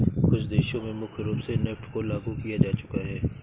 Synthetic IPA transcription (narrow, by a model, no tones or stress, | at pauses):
kʊt͡ʃʰd̪eːʃõmẽmʊkʰɾuːpsenɛːfʈʰkolaːɡukijad͡ʒaːt͡ʃʊ̥kaɦɛː